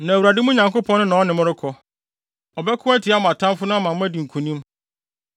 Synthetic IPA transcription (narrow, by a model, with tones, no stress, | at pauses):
nã˨wu˨ɾa˨dɪ˦mũ˦ɲã˨ŋko˦pʰɔ̃˦nːʊ̃˦nã˨ɔ˦nɪ̃˨mʊ̃˦ɾɪ˦kʰɔ˦ | ɔ˨bɛ˦kʰʊ˦ɛ˦tʰɪ˨˦a˦mʊ̃˨a˨tʰã˦m˦fʊ˦nʊ̃˦a˦mã˨mʊ̃˦æ˦di˨ŋ̩˨kʰũ˨nĩ˦m